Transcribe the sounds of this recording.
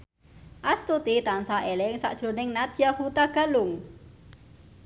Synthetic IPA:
ʔast̪ut̪it̪ansaʔelɛŋsa̰ʔd̥ʒ̥ɾo̤nɪŋnad̪jahut̪aɡ̥a̤lʊŋ

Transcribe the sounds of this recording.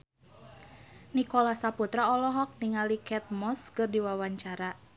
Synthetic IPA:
nikɔlasaput̪ɾaɔlɔɦɔk̚niŋalikɛt̪̚mɔskɨrdiwawaɲt͡ʃaɾa

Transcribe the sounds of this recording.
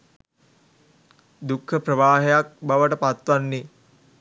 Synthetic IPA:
d̪ukʰːəprəʋaːɦejak̚baʋəʈəpat̪ʋanːi

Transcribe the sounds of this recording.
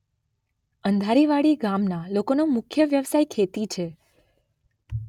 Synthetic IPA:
ənd̪ʱaɾiʋaɽiɡamnalokonomʊkʰjəʋjəʋsajkʰet̪it͡ʃʰe

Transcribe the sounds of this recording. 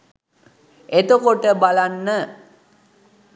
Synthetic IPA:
et̪əkoʈəbalanːə

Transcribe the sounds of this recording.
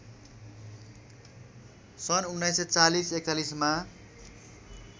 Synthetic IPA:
sʌnunːʌjsʌt͡salisekalisma

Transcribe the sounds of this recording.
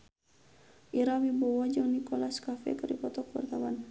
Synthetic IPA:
ʔiɾawibɔwɔd͡ʒɔnikɔlaskafɛ̰kɨripɔt̪ɔkuwa̰rt̪awan

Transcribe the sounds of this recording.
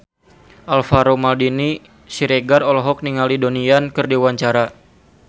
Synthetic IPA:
ʔalfaɾomaldini | siɾeɡarɔlɔɦɔk̚niŋalidoniankɨrdiuwaɲt͡ʃaɾa

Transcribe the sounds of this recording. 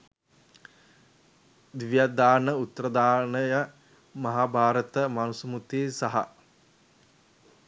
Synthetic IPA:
d̪ʋjad̪aːnəut̪ːəɾəd̪aːnəjə | mɐɦaːbʱaːɾət̪əmanusumut̪iːsaɦa̰

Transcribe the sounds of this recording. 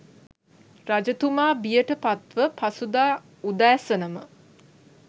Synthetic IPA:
rad͡ʒət̪umaːbijəʈəpat̪ʋəpasud̪aː | ud̪æːsənəmə

